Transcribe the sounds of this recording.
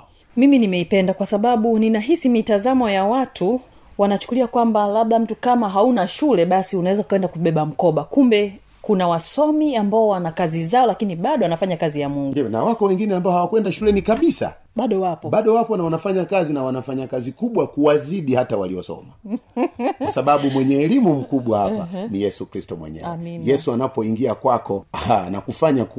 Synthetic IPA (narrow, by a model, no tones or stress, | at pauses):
miminimɛipɛndakwasaɓaɓuninaɦisimitazamɔjawatʰu | wanat͡ʃu̥kuliakwambalaɓ̚ɗam̩tukamaɦaunaʃulɛɓasiunawɛzakaɛndakuɓɛɓam̩kɔɓakumbɛ | kunawasɔmiambaɔwanakazizaɔlakiniɓaɗɔanafaɲakazijamuŋɡdiɔna̰wakɔwɛŋɡinɛambaɔhawakwɛndaʃulɛnikaɓisa̰ | ɓaɗɔwapɔɓaɗɔwapɔnawanafaɲakazinawanafaɲakazikuɓwakuwaziɗihatawaliɔsɔ̰ma | asaɓamɓumwɛɲɛːlimum̩kuɓwahapa̰nijɛsukɾistɔmwɛ̰ɲɛ̰ɛminjɛsuanapɔiŋɡiakwakɔana̰kufaɲak